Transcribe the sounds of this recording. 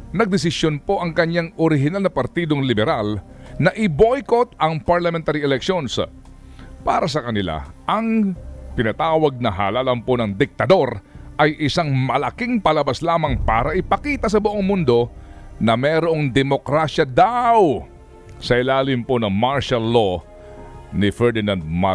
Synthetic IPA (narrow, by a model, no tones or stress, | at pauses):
nɐɡ̚d̪ɪs̬ɪsjonpo̞ʔɐŋkɐɲaŋʔoɾɪɦɪnalnɐpɐɾt̪iːd̪o̞ŋlɪbɛɾal | nɐʔɪbo̞jkot̪̚ɐŋpɐɹlɐmɛnt̪aɾiɛlɛkʃons | paːɾɐs̬ɐkɐnɪla̰ʔɐŋt̪ɪnɐt̪aːwɐɡ̚nɐɦa̰ːlaːlɐmponɐŋd̪ɪk̚t̪ɐd̪o̞ɾʔɐjʔɪsaŋmɐlɐkiŋpɐlɐbaslaːmɐŋpa̰ːɾɐʔɪpɐkiːt̪ɐs̬ɐbʊʔoŋmʊnd̪o̞nɐmɛːɾoʔo̞ŋd̪ɛmo̞kɾaːʃjɐd̪aw | sɐʔɪlaːlɪmponɐŋmaɹʃɐlːo | nɪfɛɹd̪ɪnand̪̚ma